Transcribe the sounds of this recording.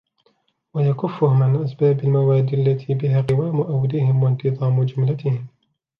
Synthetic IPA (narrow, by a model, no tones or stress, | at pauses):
wajakʊfːʊhʊmɪnʔasbaːbalmawaːd̪iːʔalːat̪ʰibɪhaːɣɪwaːmʊʔawd̪ɪhɪmwant̪ɨðˤɑːmd͡ʒʊmlat̪ɪhɪm